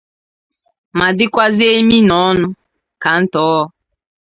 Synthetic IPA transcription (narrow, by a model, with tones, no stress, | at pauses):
ma˨dɪ˦kʷa˦ze˦mi˦nɔ˨˦ɔ˦nʊ˦ | ka˨n̩˦tɔ˨˦ɔ˦